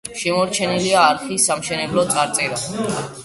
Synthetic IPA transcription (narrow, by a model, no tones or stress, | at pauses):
ʃɛmɔɾt͡ʃʰɛniliaːɾχisamʃɛnɛblɔt̪sʼaɾt̪sʼɛɾa